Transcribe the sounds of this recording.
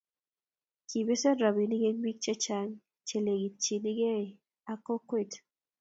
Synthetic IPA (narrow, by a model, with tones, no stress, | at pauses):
ki˨be˦sɛ˦ɾa˨bi˨ni˦ɡe˦ŋbi˦k̚t͡ʃɛ˦t͡ʃa˦ŋ | t͡ʃe˨le˨ɡi˨t͡ʃi˨ni˦ɡe˦˨ | a˨kɔ˦kwe˦t